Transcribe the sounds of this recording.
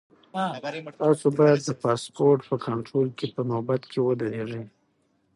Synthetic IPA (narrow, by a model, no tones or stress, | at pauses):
t̪ɑsobɑjad̪ːəpɑspoɾʈpəkʰaɳʈɾolkepənobat̪kʰewəd̪əɾeʐə